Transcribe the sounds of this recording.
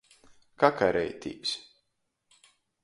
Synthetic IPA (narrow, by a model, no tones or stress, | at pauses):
kakaɾɛjt̪ʰʲḭːps